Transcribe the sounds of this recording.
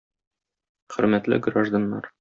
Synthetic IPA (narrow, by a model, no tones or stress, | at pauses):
χɵ̆ɾmæt̪lɘ̰ɡraʒd̪anːɑɾ